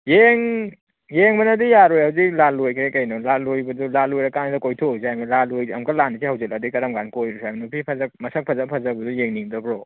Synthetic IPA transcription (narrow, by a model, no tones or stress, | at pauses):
jeŋ | jeŋbɐnɐdijaɾojhawziklalojkʰɾekɐjnɔlalojbɐdulalojɾɐkanisɐkojtʰozajmɐlalojɐ̰mkɐlanisihawzet̚ladikɐɾɐmɡankojɾosajmnupʰipʰɐzɐk̚mɐsɐk̚pʰɐzɐpʰɐzɐbɐdujeŋniŋdɐbɾo